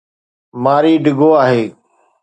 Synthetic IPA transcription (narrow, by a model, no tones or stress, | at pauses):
maːɾiːɖɪɡoːaːɦeː